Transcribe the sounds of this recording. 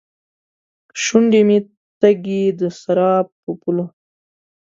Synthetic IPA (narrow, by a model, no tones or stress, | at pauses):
ʃuɳɖimi | t̪aɡid̪əsaɾɑpː | əpulo